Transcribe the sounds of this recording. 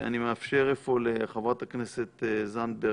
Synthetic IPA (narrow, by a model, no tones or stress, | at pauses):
a̰nimeafʃeʁefoleχavʁat̪aknese̞t̪zan̚be